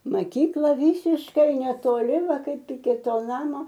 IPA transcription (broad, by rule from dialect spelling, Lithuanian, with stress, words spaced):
mɐˈkʲiːklˠɐ ˈʋʲiːsʲɪʃkɐɪ nʲɛtoːˈlʲɪ ˈʋɐ ˈkɐɪp ɪkʲɪ ˈtoː ˈnɑːmoː